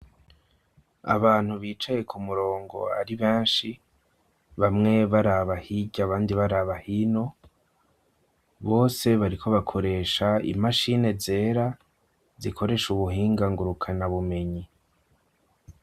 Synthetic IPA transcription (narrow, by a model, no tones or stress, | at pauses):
a̰βaːn̥huβiːt͡ʃaje̞kʰumuɾo̞ːŋɡo̞̰aɾiβeːnʃi | βamŋe̞βaɾaβahiɟaβaːndiβaɾaβahino̞ | βo̞ːse̞βaɾikʰo̞βakʰo̞ɾe̞ːʃaḭmaʃine̞ze̞ːɾa | zikʰo̞ɾe̞ːʃuβuɦiːŋɡaŋɡuɾukʰanaβume̞ɲi